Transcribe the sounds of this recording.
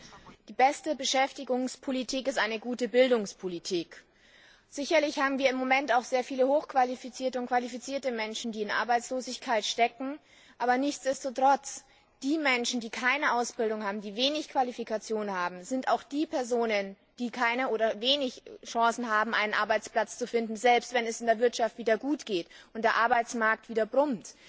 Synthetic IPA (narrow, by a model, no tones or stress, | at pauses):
d̥iːbɛstəbəʃɛftɪɡʊŋspʰolitʰiːkɪstʔaɪnəɡuːtəbɪldʊŋspʰolitʰiːk | z̥ɪçɐlɪçhaːbm̩viːɐɪmːomɛntaʊxz̥eːɐfiːləhoːxkv̥alifit͡siːɐtəʊntkv̥alifit͡siːɐtəmɛnʃn̩diːɪnʔa̰ɐbaɪt͡sloːzɪçkʰaɪtʃtɛkŋ̩ | ʔaːbɐnɪçt͡sd̥ɛstotʁ̥ɔt͡s | d̥iːmɛnʃn̩diːkʰaɪnəʔaʊsb̥ɪldʊŋhaːbm̩diːveːnɪçkv̥alifikʰat͡sjoːnnhaːbm̩zɪntaʊxd̥iːpʰɛɐzoːnən | d̥iːkʰaɪnəoːɾɐveːnɪçʃɑ̃sn̩haːbm̩ʔa̰ɪnənʔa̰ɐbaɪt͡splat͡st͡sufɪndn̩zɛlpstv̥ɛnɛsɪndeːɐvɪɐtʃaftv̥iːdɐɡuːtɡ̥eːtʔʊntd̥eːɐʔaɐbaɪt͡smaɐk̚tv̥iːdɐbʁʊmt